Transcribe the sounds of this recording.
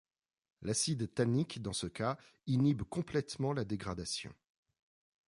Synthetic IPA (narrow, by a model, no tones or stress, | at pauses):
lasid̪t̪anikd̪ɑ̃səka | inibkɔ̃plɛt̪mɑ̃lad̪eɡʁad̪asjɔ̰̃